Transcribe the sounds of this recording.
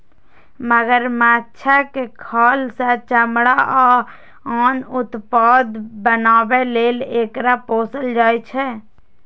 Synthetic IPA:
məɡəɾmatːt͡ʃʰakekʰaːlsə̃t͡ʃəmɽaʔa | anut̪pad̪bənaːbelelekɾaposəld͡ʒaːjt͡ʃʰɛ

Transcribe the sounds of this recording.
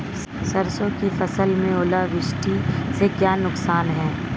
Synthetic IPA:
sɐɾsõkifɐsəlmẽoːlaʋɪʃʈʰisekjaːnʊksaːnɦɛ̃ː

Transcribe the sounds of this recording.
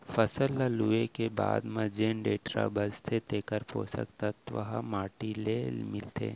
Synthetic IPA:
fəsəlːəluekeba̰ːd̪mɐd͡ʒeːnɖeːʈɾa̰bəzt̪ʰet̪eːkəɾpʰo̰ːsə̰kt̪at̪ʋɐ̰ɦa̰maːʈileːlmɪlt̪ḛː

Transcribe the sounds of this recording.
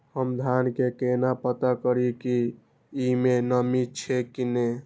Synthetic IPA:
həmd̪ʱankekenapət̪akəɾiki | imenəmit͡ʃʰɛkine

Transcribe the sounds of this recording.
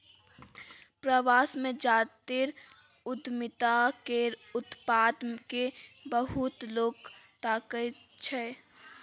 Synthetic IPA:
pɾəʋaːsmẽd͡ʒaːt̪iɾ | ʊd̪mɪt̪akeʊt̪paːd̪mkebəɦʊt̪loːɡt̪aːkə | t͡ʃʰɛ

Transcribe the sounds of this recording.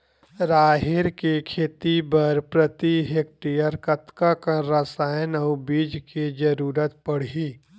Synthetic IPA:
ɾaːɦɪɾkikʰeːt̪ibəɾpɾət̪iɦek̚ʈijəɾkət̪kakaɾasaːənəʊbiːd͡ʒkid͡ʒəɾuːɾət̪pəɽ̤i

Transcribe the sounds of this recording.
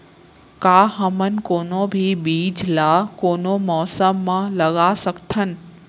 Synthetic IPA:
kaːɦəmənkoːnobʱibiːd͡ʒlakoːnomɔːsəmːãləɡasəkt̪ʰən

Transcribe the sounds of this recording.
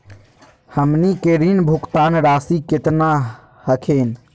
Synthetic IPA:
həmnikeɾinbʱukt̪aːnɾaːsiket̪na | həkʰen

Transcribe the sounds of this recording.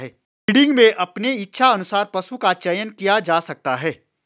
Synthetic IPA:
ɦɛː | ɽɪ̃ŋɡmẽʔɐpneɪtːʃʰaɐnʊsaːɾpɐsukat͡ʃɐjənkijad͡ʒaːsɐk̚t̪aɦɛː

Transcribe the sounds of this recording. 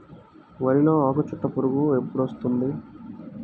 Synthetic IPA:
ʋɐɾinoːaːkɐt͡ʃuʈ̪ːɐpuɾuɡue̞pːuɽost̪und̪i

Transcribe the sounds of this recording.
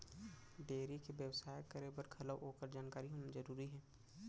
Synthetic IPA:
beːɾikebjəwsaːjkːəɾeːbəɾkʰɐləʋʔoːkəɾd͡ʒaːnkaːɾiɦoːnad͡ʒɐɾuːɾiɦɛː

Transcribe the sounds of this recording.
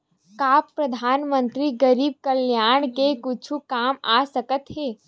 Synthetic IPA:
kaːppɾəd̪ʱaːnmə̃nt̪ɾiɡəɾiːb̚kəljaːɳ̃kekʊt͡ʃʰukaːmaːsəkət̪ɦeː

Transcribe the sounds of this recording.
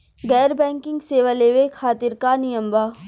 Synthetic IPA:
ɡɛːɾbɛ̃ːŋkɪ̃ŋɡseːʋaleːʋekʰaːt̪ɪɾkanɪjəmbaː

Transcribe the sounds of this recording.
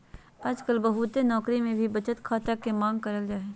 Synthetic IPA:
aːd͡ʒkəlbɐɦut̪enɔːkɾimẽbʱibɐt͡ʃət̪kʰaːt̪akemãːŋɡ̚kɐɾəld͡ʒaːeː

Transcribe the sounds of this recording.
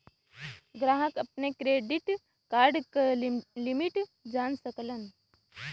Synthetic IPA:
ɡɾaːɦəkɐp̚nekɾeːɖiʈ | kaːɾɖkəlimiʈd͡ʒaːnsəklən

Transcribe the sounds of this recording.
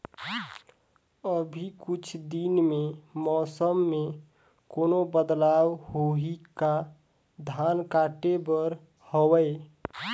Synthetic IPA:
əbʱikʊt͡ʃʰd̪inmemɔːsəmːe | koːnobəd̪lawhoɦika | d̪ʱankaːʈebəɾ | howəe

